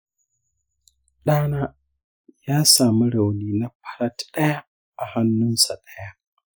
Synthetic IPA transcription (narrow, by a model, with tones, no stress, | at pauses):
ɗaː˦naː˦ | jaː˦saː˨mu˦ɾa˨wniː˨na˦pʰḁ˦ɾa˦tɗa˦ja˦ | a˨ha˦nːʊ˦nsa˨ɗa˦ja˦